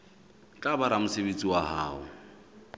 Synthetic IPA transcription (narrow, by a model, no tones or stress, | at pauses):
kʼabaɾamʊsɪbet͡sʼiwaɦa̰ːʊ